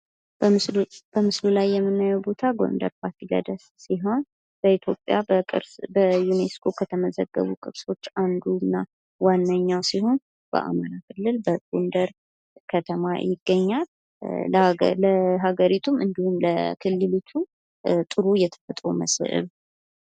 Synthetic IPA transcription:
bb̥əmɨslulajːɛmːɨnːajɛwbo̞t̪ʰaɡo̞̰nd̪ə̰ɾpʰaɾt̪ʰilə̰d̪əssiɦo̞n | b̥əit̪ʰjo̞pʼja̰əkʼɨ̰ɾsbəjuneskʰo̞kʰət̪ʰəməzəɡːə̰βukʼɨβso̞t͡ʃːand̪unːa | wanːəɲːawsiho̞n | b̥ə̰ʔa̰maɾakʰɨlːɨlbəɡ̥o̞nd̪əɾ | kʰət̪ʰəma̰jɪɡːəɲːal | ləɦaɡəɾit̪ʰumʔɨnd̪ihumləkʰɨlːɨlut͡ʃ̪ʰːu | t̪ʼɨɾujɛt̪ʰə̥fət̪ʼɾo̰mə̰sʔɨ̰β

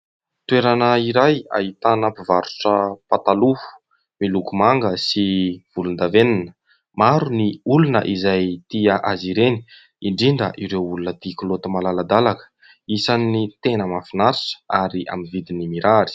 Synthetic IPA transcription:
t̪weɾanəiɾaja̰ɦit̪anapivaɾuʈ͡ʂəpat̪alufu̥ | milukumaŋɡəsiv̥ulund̪aveninə | maɾuniulunə̰ʔizajt̪iəʔaziɾeni̥ | iɳɖ͡ʐiɳɖ͡ʐə̰ʔiɾewulunət̪ikulot̪əmalalad̪alakə̥ | isannit̪enəmafinaɾiʈ͡ʂə̥aɾia̰minvid̪inimiɾaɾi̥

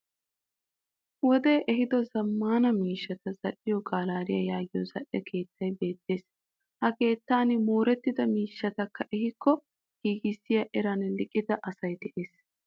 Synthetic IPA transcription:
wɔd̪e̞ːʔɛɦɪd̪ɔzɐmːaːnɐmiːʃːɐt̪ɐzɐʔɪjɔɡaːlaːɾɪjɐjaːɡɪjɔzɐʔːɛkʰe̞ːt̪ʰːɐjbe̞ːt̪ːe̞ːs | hɐke̞ːt̪ːaːnɪmoːɾɛt̪ːɪd̪ɐmiːʃːɐt̪ɐkːɐʔɛɦɪkːɔ | ɡ̥iːɡɪsːɪjɐʔɛɾɐnlɪkʼːɪd̪ɐʔɐsɐjd̪ɛʔe̞ːs

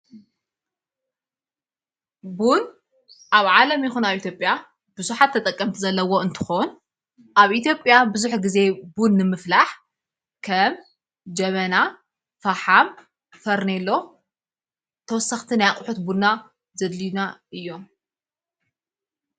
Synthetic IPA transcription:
bun | ʔaβʕalɐmjɪxunaβʔit̪ʰjopʼja | b̥ɨzuħat̪ʰːɐt̪ʼɐkʼːɐmt̪ʰizɐlːɐwo̞ɨnt̪ʰɨ̥xon | ʔaβʔit̪jo̞pʼjabɨzuħɡɨze̞bunːɨmɨflaħ | kʰɐm | d͡ʒɐβɐna | faħam | fɐɾnelːo̞ | t̪ʰɐwɔsːɐxt̪ʰinajakʼħut̪buna | zɐd̪linaʔɨjːo̞m

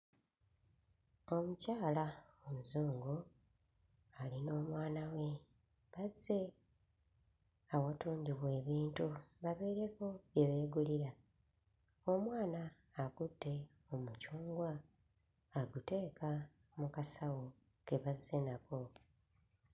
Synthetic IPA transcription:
o̞mucaːlaomuzuːŋɡo | alino̞ːmwaːnawe̞ | βazːe̞ | awatuːɲɟiβwe̞ːβiːntuβaβe̞ːɾe̞ko̞βje̞βe̞ːɡuliɾa | o̞mwaːnaː | ɡutːe̞ | omucuːŋɡwaː | ɡute̞ːka | mukasawo | ke̞βazːe̞nako̞

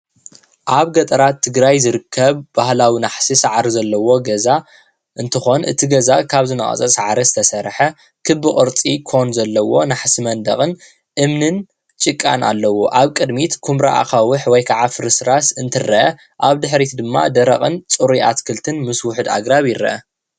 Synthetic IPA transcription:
ʔaβɡɐt̪ʼɐɾat̪ʰːɨɡɾajzɨɾɨkʰːɐβbahlawinaħsisaʕɾizɐlːɐwo̞ɡɐza | ʔɨnt̪ʰɨxo̞nʔɨ̰t̪ʰiɡɐzakʰaβzɨnɐkʼɐ̰t͡sʼɐsʼaʕɾizɨt̪ʰɐsɐɾħɐ | kʰɨbːɨχʼɨɾt͡sʼikʰo̞nzɐlːɐwo̞naħsimɐnd̪ɐ̰χʼɨn | ʔɨmnɨn | t͡ʃʼɨkʼːa̰na̰lːɐwoʔaβkʼɨd̪mit̪kʰumɾa̰ʔa̰kawɨħwɔjkʰaʕafɨɾɨsɾasɨnt̪ʰɨrːɐʔɐ | ʔaβd̪ɨħɾit̪d̪ɨmːa̰d̪ɐɾɐ̰χʼɨnt͡sʼuɾiʔa̰t̪kʰɨlt̪ʰɨnmɨswʊħɨd̪a̰ɡɾaβjɪɾːɐ̰ʔɐ

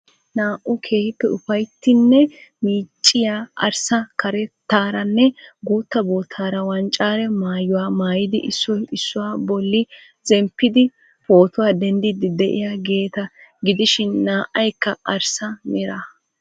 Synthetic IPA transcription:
naːʔʊkʰeːhɪpːɛʊfɐjt̪ːɪnːɛmiːt͡ʃʼːɪjaʔɐɾsɐkɐɾɛt̪ːaːɾɐnːɛɡuːt̪ːɐboːt̪ʰːaːɾɐwɐnt͡ʃʼaːɾɛmaːjʊwaːmaːjɪd̪ɪʔɪsːɔɪsːʊwaːbɔlːɪ | zɛmpːɪd̪ɪ | fo̞ːt̪ʊwaːd̪ɛnd̪ɪd̪ɪd̪ɛʔɪ̰jaːɡe̞ːt̪ɐɡɪd̪ɪʃɪnːaːʔːɐjkːɐɐɾsɐmɪɾɐ

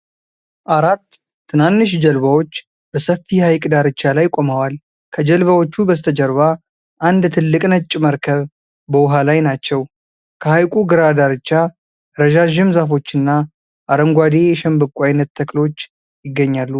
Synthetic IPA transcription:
ʔaɾat̪ʰː | ɨnanːɨʃ̬d͡ʒəlβawo̞t͡ʃː | b̥əsəfːihajkʼd̪aɾɨt͡ʃːalajkʷʼo̞məwal | kʰəd͡ʒəlβawo̞t͡ʃːubəst̪ʰəd͡ʒəɾβa | ʔand̪t̪ʰɨlːɨkʼnət͡ʃʼːɪməɾkʰəβ | bəwʊɦalajnat͡ʃːɛw | kʰəhajkʼuɡɨɾad̪aɾɨt͡ʃːa | ɾəʒaʒɪmzafo̞t͡ʃːɨnːa | ʔaɾəmɡʷad̪e̞jɛʃɛmbɨkʼʷajnːət̪ʰːəklo̞t͡ʃː | jɪɡːəɲːalːu

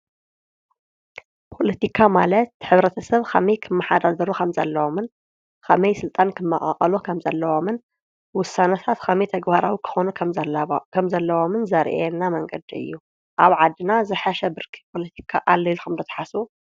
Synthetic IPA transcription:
pʰo̞lɐt̪ʰikʰamalɐt̪̚ħɨβɾɐt̪ʰɐsɐβkʰɐmɐjkʰɨmːɐħad̪azɐɾukʰɐmzɐ̰lːɐwomɨn | kʰɐmɐjsɨlt̪ʼankʰɨmːɐχʼɐ̰χʼɐlukʰɐmzɐlːɐwo̞mɨn | wʊsːanɐt̪ʰat̪kʰɐmɐjt̪ʰɐɡbaɾawikʰɨ̥xonukʰɐkʰɐmzɐlːɐwo̞mɨnzɐɾʔeɛnːamɐŋɡʼɐ̰d̪iɨ̰jːu | ʔaβʕad̪ːɨnazɨħaʃɐbɨɾkʰi̥pʰo̞lɐt̪ʰi̥kʰaʔalːɐlkʰɐmd̪ɐt̪ʰɐ̥ħasu

